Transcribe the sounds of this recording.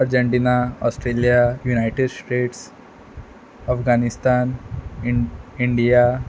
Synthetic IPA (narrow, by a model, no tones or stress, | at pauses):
aɾd͡ʑeɳʈinaɔsʈɾelijajunajʈeɖsʈeʈs | əfɡanist̪an | iɳɖija